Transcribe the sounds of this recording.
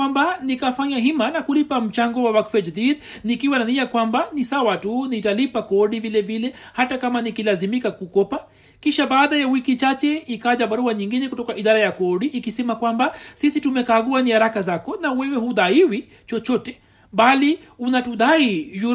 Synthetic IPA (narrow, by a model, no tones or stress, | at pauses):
wambanikafaɲaɦimanakulipam̩t͡ʃaŋɡɔwawakfɛd͡ʒadið | nikiwananiakwambanisawatunitalipakɔɗivilɛvilɛ | hatakamanikilazimikakukɔpa | kiʃaɓaːɗajawikit͡ʃat͡ʃɛikaʄaɓaɾuaɲiŋɡinɛkutɔkaʔiɗaɾajakɔɗiʔikisɛmakwambasisitumɛkaɠuanihaɾakazakɔnawɛwɛhuɗaiwi | t͡ʃɔt͡ʃɔtɛ | ɓali | unatuɗaiju